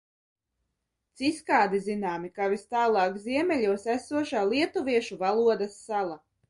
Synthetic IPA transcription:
t̪siskaːd̪izinaːmikavist̪aːlˠɑːkziɛmʲɛʎʲuɔsæsuɔʃaːlˠiɛt̪uviɛʃuvalˠuɔd̪asːalˠa

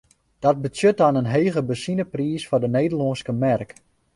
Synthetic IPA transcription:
d̥ɔt̚bəsjøt̚ɔnənɦeːɣəbəsinəpriːsfɔrdəneːdəlɔnskəmɛrk

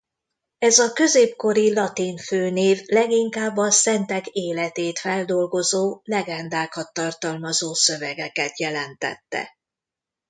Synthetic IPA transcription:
ɛzɒkø̞zeːpko̞ɾilɒt̪iɱføːneːvlɛɡiŋkaːbːɒsɛnt̪ɛɡeːlɛt̪eːt̪fɛld̪o̞lɡo̞zoːlɛɡɛnd̪aːkɒt̪ːɒrt̪ɒlmɒzoːsø̞vɛɡɛkɛt̪jɛlɛnt̪ɛ̰t̪ːɛ̰

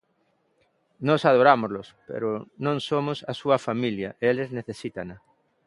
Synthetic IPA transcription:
nɔsað̞oɾamʊzlʊspḛɾʊnõŋsomʊsɐsuɐfamiljɐʔeelezneθesit̪anɐ

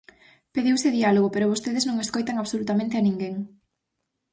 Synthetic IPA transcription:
peðiwseðialoɣopeɾʊβost̪eðeznõŋeskojt̪aŋaβsolut̪amẽnt̪eanĩŋɡeŋ

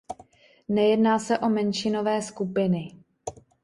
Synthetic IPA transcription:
nɛjɛdnaːsɛʔo̞mɛnʃɪno̞vɛːskupɪnɪ

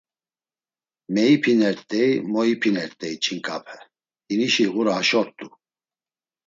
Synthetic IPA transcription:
mɛipʰinɛɾt̪ʼɛimɔipʰinɛɾt̪ʼɛit͡ʃʼʰiŋkʼapʰɛ | d̪iniʃiɣuɾaɦaʃɔɾt̪ʼu

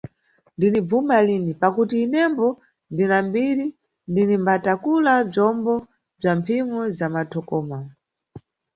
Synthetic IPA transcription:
ndinib͡vumaliːnipakutiːnɛmbɔ | ndinambiɾi | ndinimbatakulab͡ʐɔmbɔ | b͡ʐampʰimɔzamatʰɔkɔːma

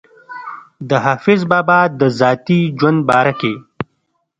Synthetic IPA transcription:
d̪əɦaːfɪzbaːbaːd̪əzaːt̪id͡ʒwɐnd̪̚baːɾɐke

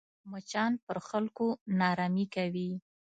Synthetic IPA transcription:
mʊt͡ʃɑnpəɾxalkonɑɾɑmikawi

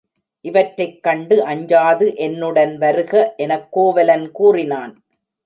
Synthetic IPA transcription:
ʔɪʋɐʈɾɐɪkːɐɳɖɯʔɐɲd͡ʒaːðɯʔɛnːɯɽɐnʋɐɾɯɣɐʔɛnɐkːoːʋɐlɐnkuːrɪnaːn

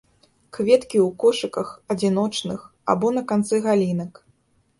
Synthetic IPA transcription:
kvʲɛt̪kʲiwkɔʂɨkɐxɐd͡zʲin̪ɔt͡ʂnɨx | a̰bɔnɐkant̪sɨɣalʲinɐk

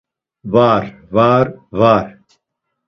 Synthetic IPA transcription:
vaːɾvaːɾvaːɾ

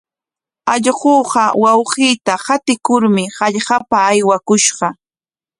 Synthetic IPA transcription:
ɑʎɢoːɢɑwɑwɢiːt̪ahat̪ɪkʊɾmɪhɑʎɢɑpaːjwakʊʃɢɑ

